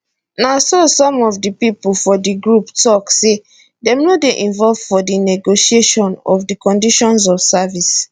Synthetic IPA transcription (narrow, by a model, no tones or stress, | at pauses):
nasosɔ̃mɔvdipipl̩fɔdiɡɹuptɔkse | dɛ̃mnodeʔĩɱvɔlvfɔdinɛɡoʃieʃɔ̃nɔ̰vdikɔ̃ndiʃɔ̃ns̬ɔfsavis